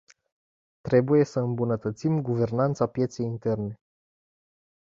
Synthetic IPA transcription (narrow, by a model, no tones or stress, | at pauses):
t̪ɾe̞buje̞səɨmbunət̪ət̪simɡuve̞rnant̪sapje̞t̪se̞jint̪e̞rne̞